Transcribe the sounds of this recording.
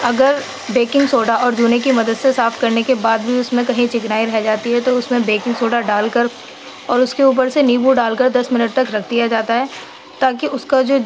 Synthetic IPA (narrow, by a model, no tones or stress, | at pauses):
ɐɡəɾ | beːkɪ̃ŋɡsoːɖaɔːɾd͡ʒuːnekimɐd̪əd̪sesaːfkɐɾnekebaːd̪bʱiʊsmẽkɐɦĩt͡ʃɪknaːiɾɛɦd͡ʒaːt̪iɦɛt̪oʊsmẽbeːkɪ̃ŋɡsoːɖaɖaːlkɐɾ | ɔːɾʊskeuːp̬əɾseniːbuɖaːlkɐɾd̪ɐsmɪnəʈ̚t̪ɐkɾɐkʰd̪ijad͡ʒaːt̪aɦɛː | t̪aːk̬iʊskad͡ʒoː